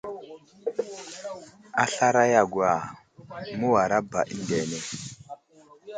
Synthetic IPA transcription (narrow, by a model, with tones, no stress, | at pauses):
a˦ɬa˦ɾa˦ja˨ɡwa˨ | mu˦wa˨ɾa˦ba̰˨ʔi˦nde˨ne˨